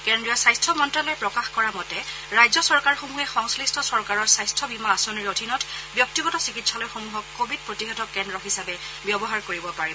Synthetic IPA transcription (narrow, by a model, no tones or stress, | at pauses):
kɛndɹijɔsajstʰɔmɔntɹalɔɛpɹɔkaxkɔɹamɔtɛ | ɹajzɔsɔɹkaɹxomuɦɛxɔŋslistʰɔsɔɹkaɹɔɹsajstʰɔbimaːsoniɹodʱinɔtʰbjɔk̚tiɡɔtɔsikitsalɔjxomuɦɔkːobʱid̚pɹotiɦɔtʰɔkɛndɹɔxisabɛ | bjɔbɔɦaɹkoɹibɔpaɹibɔ